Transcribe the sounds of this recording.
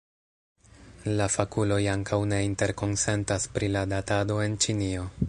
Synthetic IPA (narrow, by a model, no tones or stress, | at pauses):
lafakulo̞jaŋkʰawne̞inte̞ɾko̞nse̞ntaspɾiladatado̞e̞nt͡ʃinio̞